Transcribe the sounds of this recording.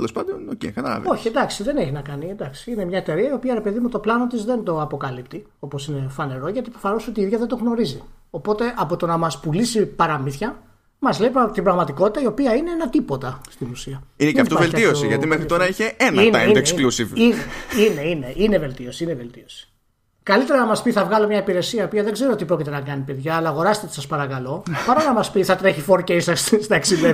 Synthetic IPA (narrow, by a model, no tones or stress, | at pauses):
t̪elospɐnd̪onocḛkɐt̪ɐlɐ̰vo̞çiend̪ɐksiðe̞ne̞çinɐkɐniend̪ɐksi̥ine̞mɲɐet̪e̞ɾiɐio̞piɐɾe̞pe̞ðimut̪o̞plɐno̞t̪izðe̞nd̪o̞ɐpo̞kɐlipt̪i | o̞po̞sine̞fɐne̞ɾo̞ʝɐt̪ipɾofɐnoso̞t̪iiðʝɐðend̪o̞ɣno̞ɾizi | o̞po̞t̪e̞ʔɐpo̞t̪o̞nɐmɐspulisipɐɾɐmiθçɐ | mɐzle̞jpt̪ibɾɐɣmɐt̪iko̞t̪i̥t̪ɐio̞piɐine̞enɐt̪ipo̞t̪ɐst̪inusiɐinekɐt̪ovelt̪iosiʝɐt̪imexɾit̪o̞ɾɐiçe̞eninesklusivineine̞ine̞ʔine̞ve̞lt̪io̞siineve̞lt̪io̞si̥ | kɐlit̪e̞ɾɐnɐmɐspiθɐvɣɐlomɲɐipiɾe̞siɐio̞piɐðe̞ɡze̞ɾoot̪ipɾo̞cit̪e̞nɐkɐnipe̞ðʝɐːlɐːɣo̞ɾɐst̪et̪i̥sɐspɐɾɐkɐlo̞pɐɾonɐmɐspiθɐt̪ɾe̞çifo̞ɾceisɐsst̪ɐeksile